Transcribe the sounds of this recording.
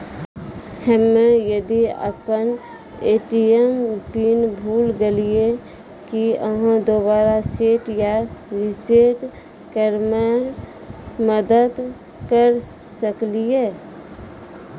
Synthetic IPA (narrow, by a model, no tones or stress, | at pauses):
həmːẽjəd̪iə̰pən | eːʈiempinbʱuːlɡelie | kiəɦãd̪obaːɾaseːʈjaɾɪseʈ | kəɾme | məd̪əd̪ | kəɾ | səklie